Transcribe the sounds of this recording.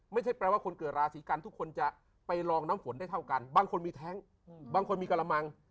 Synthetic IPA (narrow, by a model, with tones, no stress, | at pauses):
ma˥˩jt͡ɕʰa˥˩jpɾɛː˧waː˥˩kʰo˧nkɤː˨˩t̪̚ɾaː˧siː˩˦ka˧nt̪ʰu˦˥kʰːo˧nt͡ɕa˨˩ | pa˧jlɔː˧ŋnaː˦˥mfo˩˦nda˥˩jt̪ʰa˥˩wka˧nbaː˧ŋkʰo˧nmiː˧t̪ʰɛː˦˥ŋ | baː˧ŋkʰo˧nmiː˧ka˧la˧ma˧ŋ